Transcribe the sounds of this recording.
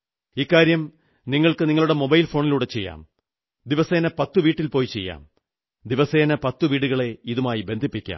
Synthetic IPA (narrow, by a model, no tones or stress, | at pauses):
ikːaːɾjɐm | niŋːɐɭkɨniŋːɐɭuɽe̞mo̞bɐjlfo̞ːɳiluːɽe̞t͡ɕe̞jːa̰ːm | d̪iʋɐse̞ːnɐpɐt̪ːuʋiːʈːilpo̞ːjit͡ɕe̞̰jːa̰ːm | d̪iʋɐse̞ːnɐpɐt̪ːuʋiːɽuɣɐɭe̞iðumaːjibe̞nd̪ʱipːikʲːa̰ːm